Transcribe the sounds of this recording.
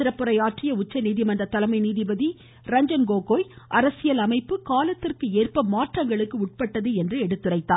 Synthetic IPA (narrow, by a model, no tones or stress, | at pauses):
ɪɾɐpːɯɾɐɪaːʈrɪjɐʊt͡ʃːɐniːðimɐndrɐt̪ɐlɐmɐɪniːðɪbɐði | ɾɐɲd͡ʒɐnɡoːkoːjʔɐɾɐsɪjɐlɐmɐɪpːɯkaːlɐt̪ːɪrkɯeːrpɐmaːʈrɐŋɡɐɭɯkːɯʊʈ̚pɐʈːɐðɯɛndrɯɛɽɯt̪ːɯrɐɪt̪ːaː